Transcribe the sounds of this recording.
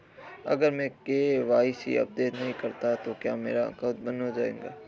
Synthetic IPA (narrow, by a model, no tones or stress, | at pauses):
ɐ̰ɡəɾmɛ̃keʋaːɪsḭʔɐ̰p̚d̪eːt̪nɐɦĩkɐɾt̪at̪okjaːmeːɾã̰kaʊt̪̚bənɦod͡ʒaːḛ̃ːŋɡa̰ː